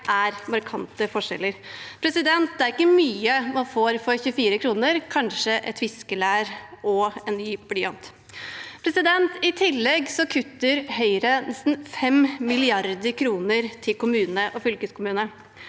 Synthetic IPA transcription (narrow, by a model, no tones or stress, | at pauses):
ʔæɾmɑɾkʰɑnt̪əfɔʂɛ̰lːəɾpʰɾɛsɪd̪ɛnt̪̚d̪ɛæɾɪkːəmyːəmɑnfoːɾfɔɾçʉəfiːɾəkʰɾuːnəɾkʰɑnʂəʔɛ̰t̪ʋɪskəlæːɾɔɛnnyːbɽɪɑnt̪ | pʰɾɛsɪd̪ɛnt̪ɪt̪ʰɪlːɛɡsɔkʰʉt̪ːəɾhœʏɾənɛst̪n̩fɛmmɪlɪɑɾd̪əɾkʰɾuːnəɾt̪ʰɪlkʊmʉːnəʔɔfʏlkəskʊmʉːnə